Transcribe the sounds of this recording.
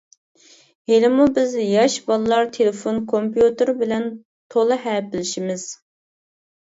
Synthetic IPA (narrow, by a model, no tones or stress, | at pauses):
elɪmubɪzjɑʃbɑlˠlˠɑɾt̪ʰelɪfonkʰompjut̪ɨɾbɪlɛn | t̪ʰolˠɨɦɛpɪlɪʃimɪz̥